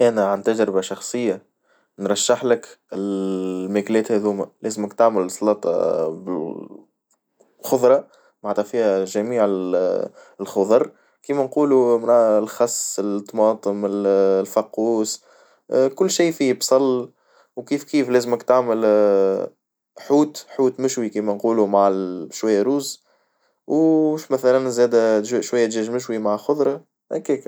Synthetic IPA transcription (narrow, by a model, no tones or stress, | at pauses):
ʔænæʕant̪æd͡ʒɾɪbaʃɑxsˤɨjːa | nɾˤɑʃːɪħlɪkɪlmæːklɛːt̪hæðuːmælʔɛːzməkt̪aʕməlsˤlɑːt̪ˤɑ̰bɪl | xʊðˤɾˤɑ | maʕt̪ˤɑfiːhæʒæmiːʕɪ | lxʊðˤɑɾˤ | kiːmænquːlumlxɑsːɪlt̪ˤːmɑːt̪ˤəmɪllfɑqːuːs | kʊlːʃiːfiːbsˤɑlː | wkiːfkiːflæːzməkt̪aʕmɪl | ħuːt̪ħuːt̪mɪʃwikiːmænquːlumaʕʃwæjːæɾuːz | wʃmæθælænzɛːd̪æʃwæjːæt̪ʒɛːʒmɪʃ̬wimaʕxʊðˤɾˤɑ | ʔækɛːk